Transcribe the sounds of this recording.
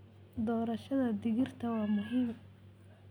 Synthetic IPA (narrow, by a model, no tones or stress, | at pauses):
d̪ɔːɾɐʃɐðɐd̪ɪɣɪrt̪ʰɐwɑːmʊɦiːm